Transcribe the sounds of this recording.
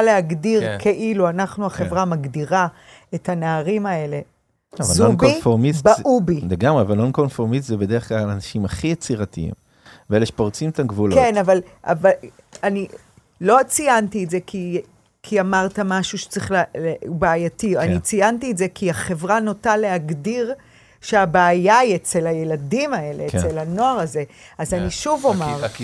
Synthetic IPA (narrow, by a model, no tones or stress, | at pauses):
aleaɡdiʁkʰeʔiluanaχnuaχe̞vʁamaɡdiʁa | ethanaaʁimae̞le̞ | avvazonbkifoʁmisbaubileɡamʁeavalnonkonfoʁmist̪zebed̪eʁeχklalanaʃimaχijet͡siʁatḭḭm | veeleʃe̥poʁt͡simt̪amɡvulkenavalʔa̰va | ani | lo̞t͡siantietzekʰi | kʰiamaʁtamaʃuʃe̥t͡sʁiχlalebaːjatiannit͡sijantietze̞kʰiaχe̞vʁanotale̞aɡdiʁ | ʃeabaːjaiet͡selhaje̞ladimae̞leːkelhano̞aʁaze̞azaniʃuvomaʁ